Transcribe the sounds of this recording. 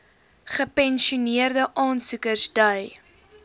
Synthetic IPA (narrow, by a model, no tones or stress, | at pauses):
χəpɛnʃiuniərdəʔɑːnsukərsdɐj